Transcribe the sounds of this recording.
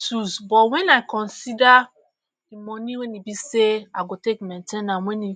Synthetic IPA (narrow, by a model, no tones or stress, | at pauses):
tusbɔtwɛ̃naɪkɔ̃nsida | dimɔniwɛ̃nibiseaɡotekmɛ̃ntenãmwɛ̃ni